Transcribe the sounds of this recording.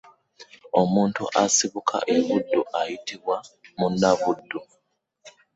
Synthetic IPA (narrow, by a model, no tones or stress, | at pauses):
o̞muːntṵʔasiβukʰa̰ʔeβudːuʔajitiβwamunːaβudːu